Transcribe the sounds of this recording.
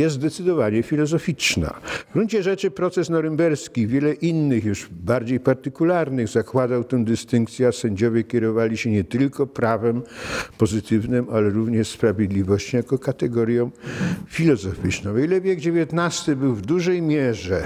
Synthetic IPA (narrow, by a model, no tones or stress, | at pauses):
jɛs̬t̪d̪ɛt̪sɘd̪ɔvaɲɛfʲilɔzɔfʲit͡ʂna̰vɡɾuɲt͡ɕɛʐɛt͡ʂɘpɾɔt̪sɛsnɔɾɛmbɛɾskʲivʲjɛlɛʔinːɘxjuʐbaɾd͡ʑejpaɾt̪ɘkulaɾnɘɣzakwad̪awt̪ɛ̃md̪ɘst̪ɘŋk̚t̪sʲjɛasɛɲd͡ʑɔvʲjɛkʲɛɾɔvalʲiɕɛɲɛt̪ɘlkɔpɾavɛmpɔzɘt̪ɘvnɘmalɛɾuvɲɛʂspɾavʲjɛd̪lʲivɔɕt͡ɕɔ̃jakɔkat̪ɛɡɔɾʲjɔ̃w̃fʲilɔzɔfʲit͡ʂnɔ̃w̃ilɛvʲjeɡd͡ʑevʲjɛt̪nast̪ɘbɘwvd̪uʐɛjmʲjɛʐɛ